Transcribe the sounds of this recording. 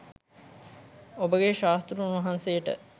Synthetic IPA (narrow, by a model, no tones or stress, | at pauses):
obəɡeʃaːst̪ɾuunʋɐɦansejəʈə̰